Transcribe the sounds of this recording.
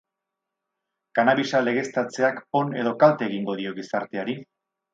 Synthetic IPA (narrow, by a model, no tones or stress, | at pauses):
kanaβisale̞ɣ̞e̞st̪at͡se̞ako̞ne̞ð̞o̞kalt̪eːɣiŋɡo̞ðio̞ɣisaɾt̪e̞aɾi